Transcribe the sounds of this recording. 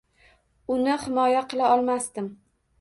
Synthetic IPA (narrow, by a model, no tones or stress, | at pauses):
ʊnɪhɪmɒjaqʰɨlˠaɒlˠmast̪ɪm